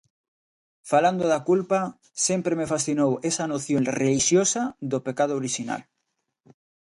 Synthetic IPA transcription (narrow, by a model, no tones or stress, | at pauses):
faland̪oðakulpa | sempɾemefasθinowesanoθjoŋreliʃjosaðopekað̞ooɾiʃina̰l